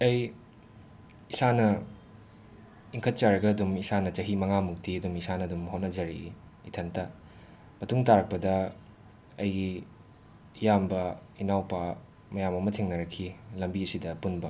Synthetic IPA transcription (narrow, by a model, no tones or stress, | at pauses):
ɐj | isanɐ | iŋkʰɐt̚t͡ʃaɾɐɡɐːdumisanɐt͡ʃɐɦimɐŋamuk̚tiɐdumisanɐdumɦot̚nɐd͡ʒɐɾḭːtʰɐntɐ | mɐtuŋtaɾɐk̚pɐdɐ | ɐjɡi | jambɐinawpa | mɐjamɐmɐtʰeŋnɐɾɐkʰːilɐmbiɐsidɐpunbɐ